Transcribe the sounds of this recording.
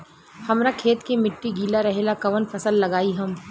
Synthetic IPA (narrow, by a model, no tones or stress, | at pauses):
hɐmɾakʰeːt̪kemɪʈːiɡʱiːlaɾɐɦelakɐʋənpʰɐsəlːɐɡaːiɦɐm